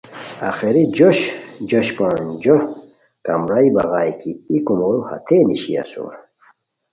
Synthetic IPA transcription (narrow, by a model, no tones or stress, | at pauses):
a̰xeɾid͡ʑoɕd͡ʑoɕpãːnd͡ʑo | kamɾajbaɣaːjkʰiikumoɾuha̰t̪ʰeniɕia̰sṵɾ